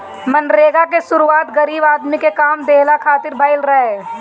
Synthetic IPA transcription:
mɐnɾeːɡakeʃʊɾuaːt̪ɡɐɾiːbaːd̪mikekaːmd̪eːlakʰaːt̪ɪɾbʱɐɪlɾɐɦeː

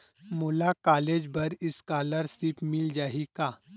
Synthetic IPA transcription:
moːlakaːleːd͡ʒbɐɾɪskaːləɾsipmɪld͡ʒaːɦikaː

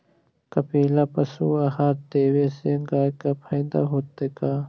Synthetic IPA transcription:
kɐpiːlapɐsuɐhaɾt̪eːweseŋɡaːjkapʰɐj̃nd̪a̰ɦoːt̪ːeka

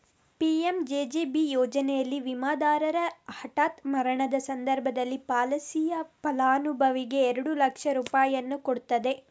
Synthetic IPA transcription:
piːemd͡ʒeːd͡ʒeːbijɔːd͡ʒɐnɛjɐlːiʋimaːd̪aːɾɐɾɐhɐʈaːt̪mɐɾɐɳɐd̪ɐsɐnd̪ɐɾbʱɐd̪ɐlːipaːlɐsijɐpɐlaːnubʱɐʋiɡe̞ːɾɐɽulɐkʂɐɾuːpaːjɐnːukoɽut̪ːɐd̪e̞

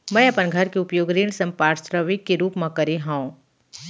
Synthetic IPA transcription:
mɛ̃ːɐpənɡʱɐɾkeʊpjoːɡɾiːɳsɐ̃mpaːɾsɾəʋikːeɾuːpmãkɐɾeɦãũ

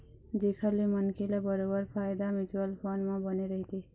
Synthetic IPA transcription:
d̪ekʰəɾlemʌnkʰelabʌɾobʌɾpʰajd̪amit͡ʃuəlpʰonmabʌneɾəɦit̪ʰi

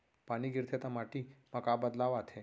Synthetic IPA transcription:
paɽ̃iːɡiɾt̪ʰet̪amaʈiːməkabəd̪laʋat̪ʰe

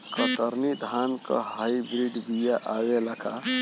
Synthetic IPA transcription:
kət̪əɾnid̪ʱankə̰hajbɾiɖb̪ijaʔawelakʰa

